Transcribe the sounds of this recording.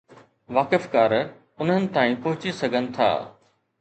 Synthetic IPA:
ʋaːkəfkaːɾ | ʊnɦənɪ̆t̪ãːĩpɔɦʊt͡ɕisɐɡʱənɪ̆t̪ʰa̰ː

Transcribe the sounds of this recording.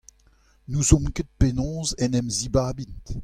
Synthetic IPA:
nuzɔ̃mket̪̚penɔ̃zɛnɛmzibaːbint

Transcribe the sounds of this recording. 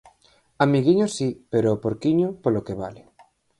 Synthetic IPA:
amiɣiɲosipeɾopoɾkiɲopolokeβalɪ

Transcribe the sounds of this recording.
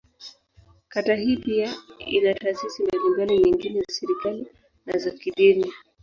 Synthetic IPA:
katahiːpiaḭnataːsisimalimbanɔɲiŋɡinɛzasɛɾikali | nazakiɗini

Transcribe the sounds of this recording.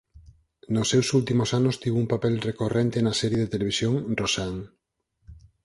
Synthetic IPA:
nosːewsult̪imosanost̪iβumpapɛlrekorent̪enɐsɛɾjeðet̪eleβisjoŋrosaŋ

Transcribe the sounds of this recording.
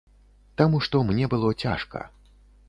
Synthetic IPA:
t̪amuʂt̪ɔmnʲɛbɨlˠɔt͡sʲa̰ʂkɐ̰

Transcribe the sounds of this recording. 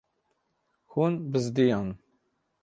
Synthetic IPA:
xunbəzd̪ijɑn

